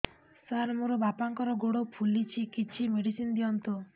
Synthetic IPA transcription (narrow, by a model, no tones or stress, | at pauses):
saɾmoɾɔbapaŋkɔɾɔɡoɽopʰulit͡ʃʰikit͡ʃʰimeɽisind̪iɔnt̪ɔ